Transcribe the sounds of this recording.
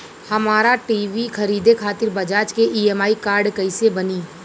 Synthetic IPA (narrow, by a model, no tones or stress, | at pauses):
hɐmaːɾaʈiːʋikʰɐɾiːd̪ekʰaːt̪ɪɾbɐd͡ʒaːt͡ʃkeʔiːɛːmaːikaːɾɖkɐɪsebɐniː